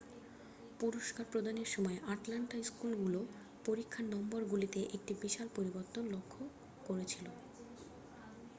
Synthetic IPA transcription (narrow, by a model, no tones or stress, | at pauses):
puɾoʃkaɾpɾod̪ʱaneɾʃɔmɔeʔaʈlaɳʈaskulɡulo | poɾikʰːanːɔmboɾɡulit̪eʔek̚ʈibiʃalpoɾiboɾt̪onlokʰːo | koɾet͡ɕʰilo